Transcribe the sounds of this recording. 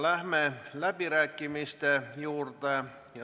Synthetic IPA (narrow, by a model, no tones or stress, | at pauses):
læhmelæpirækːimist̪ejuːrt̪ɑ | jɑ